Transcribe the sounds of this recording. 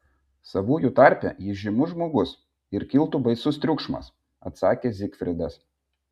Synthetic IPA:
sɐʋuːjuːt̪ɑˑɾʲˑpʲɛ̰jɪʒʲɪmʊʒmoːɡʊs | ɪɾkʲɪlˠt̪ubɐɪsʊst̪ʲɾʲʊkʃmɐ̰s | ɐ̰t̪sɑːkʲeːzʲɪkfʲɾʲɪd̪ɐs

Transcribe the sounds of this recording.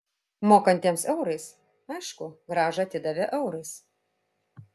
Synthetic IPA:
moːkɐnʲt̪ʲiːmsɛʊɾɐɪs | ɐɪʃkʊɡɾɑːʒɐɐt̪ʲɪd̪ɐʋʲɛʔɛʊɾɐɪs

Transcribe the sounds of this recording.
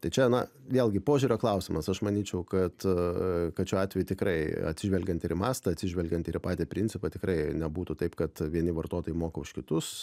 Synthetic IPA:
t̪ɐɪt͡ʃʲɛnɐ | ʋʲeːlˠɡʲɪpoːʒʲuːɾʲoːklˠɐʊsʲɪmɐsɐʃmɐnʲiːt͡ʃʲɛʊkɐt̪ | kɐtt͡ʃʲuːɑːt̪ʲʋʲɛjut̪ʲɪkrɐɪɐ̰t̪ʲsʲɪʒʲʋʲɛlʲɡʲɛnt̪ɪɾmɑːst̪ɐɐtʲsʲɪʒʲʋʲɛlʲɡʲɛnt̪ɪɾɪpɑːt̪ʲeːpʲɾʲɪnʲsʲɪpɐt̪ʲɪkɾɐɪnʲɛbuːt̪ʊt̪ɐɪpkɐt̪ʋʲiɛnʲɪʋɐrt̪oːt̪oːjɪmoːkɐʊʃkʲɪt̪ʊs

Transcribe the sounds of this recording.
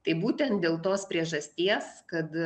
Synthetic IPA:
t̪ɐɪbuːt̪ʲɛnt̪̚d̪ʲeːlˠt̪oːspʲɾʲiɛʒɐsʲt̪ʲiɛskɐt̪

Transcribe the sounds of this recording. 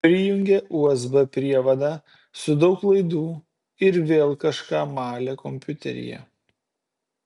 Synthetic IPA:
pʲɾʲɪjʊŋʲɡʲeʔuːɛzbɐpʲɾʲiɛʋɐd̪ɑː | sʊd̪ɒʊklˠɐɪd̪uː | ɪɾʋʲeːlˠkɐʃkɑːmɑːlʲɛkɔmʲpʲʊt̪ʲɛ̰ɾʲɪ̰jɛ̰

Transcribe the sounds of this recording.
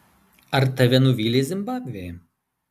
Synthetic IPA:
ɐɾt̪ɐʋʲɛnʊʋʲiːlʲeːzʲɪmbɑːbʲʋʲejɛ

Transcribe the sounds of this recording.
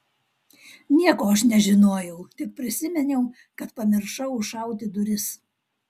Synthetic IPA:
nʲiɛkoːɐʃnʲɛʒʲɪnoːjɛʊt̪ʲɪp̚pʲɾʲɪsʲɪmʲɛnʲɛʊ | kɐt̪pɐmʲɪɾʃɐʊʊʃɐˑʊt̪ʲɪd̪ʊɾʲɪs

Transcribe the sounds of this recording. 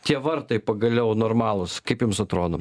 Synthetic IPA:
t̪ʲiɛʋɐɾt̪ɐɪpɐɡɐlʲɛʊnoːɾmɑːlˠʊskɐɪpjʊmsɐt̪ɾoːd̪om

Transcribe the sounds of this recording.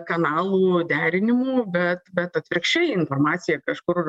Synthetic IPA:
kɐnɑːlˠuːd̪ʲæːɾʲɪnʲɪmuːbʲɛt̪bʲɛt̪ɐt̪ʲʋʲɾʲɪkʃʲt͡ʃʲɛjɪnfoːrmɑːt͡ssʲɪjɛkɐʃkʊr

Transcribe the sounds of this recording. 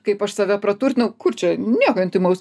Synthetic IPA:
kɐɪpɐʃsɑːʋʲɛpɾɐt̪urt̪ʲnʲɐʊkʊrt͡ʃʲɛnʲiɛkoɐnʲt̪ʲɪmɐʊs

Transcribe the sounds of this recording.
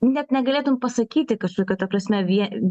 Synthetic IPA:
nʲɛt̪nʲɛɡɐlʲeːt̪ʊmpɐsɐkʲiːt̪ʲɪkɐʃkoɔkʲoːt̪ɐpɾɐsʲmʲɛʋʲiɛ

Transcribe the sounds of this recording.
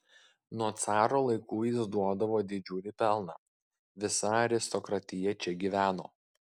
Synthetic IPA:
nuɔt̪sɑːɾoːlˠɐɪkuːjɪsd̪uɔd̪ɐʋoːd̪ʲɪd͡ʒʲʊlʲɪpʲɛlˠnɑ | ʋʲɪsɐɐɾʲɪst̪ɔkɾɐt̪ʲɪjɛt͡ʃʲɛɡʲiːʋʲæːno̰ː

